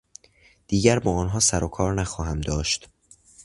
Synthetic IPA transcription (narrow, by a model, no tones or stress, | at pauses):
d̪̥iːɟæɾbɒːɒːnɦɒːsæɾokʰɒːɾnæxɒːɦæmd̪ɒːʃt̪